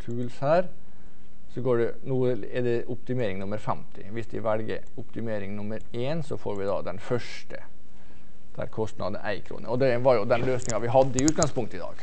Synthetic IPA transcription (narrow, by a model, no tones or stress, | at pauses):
t̪ʰʉːlshæːɾ | sɔɡoːɖɛ | nuːə | ɛd̪ɛʔʊpt̪ɪmeːɾɪŋnʊmːəɾfɛmt̪ʰɪ̰ʋɪsd̪ɪʋɛlɡə̰ɾ | ʊpt̪ɪmeːɾɪŋnʊmːəɾ | eːnsɔfo̰ːɾʋɪd̪ɑ̰d̪ɛnfœʂʈə | d̪̥æ̰ɾkʰɔst̪nɑ̰d̪n̩æ̰ɪkʰɾṵːnə̰ɾɔd̪ɛʋɑɾjʊd̪ɛnløːsnɪŋɑʋɪɦɑd̪ːəɪʉːt̪ɡɑŋspʰʊŋkt̪əɪd̪ɑ̰ːɡ̥